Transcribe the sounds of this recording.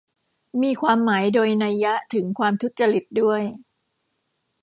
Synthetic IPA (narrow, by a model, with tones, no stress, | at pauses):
miː˧kʰwaː˧mːaː˩˦jdoː˧jna˧jːa˦˥t̪ʰɯ˩˦ŋkʰwaː˧mt̪ʰu˦˥t̪̚t͡ɕa˧ɾi˨˩t̪̚du˥˩əj